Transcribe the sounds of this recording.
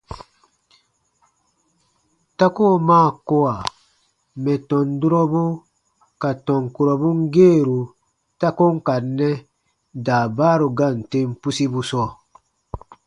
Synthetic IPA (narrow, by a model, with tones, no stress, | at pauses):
ta˦ko˦˨maː˦˨ko˦a˨ | mɛ˨tɔ̃˨ndu˦ɾɔ˦bu˦ | ka˨tɔ̃˨ŋku˨ɾɔ˨bu˦ŋ˦ɡeː˦˨ɾu˨ | ta˦ko˦ŋ˦ka˨nːɛ˦ | daː˨baː˦ɾu˨ɡa˦˨n˨te˦mpu˦si˦bu˦sɔː˦˨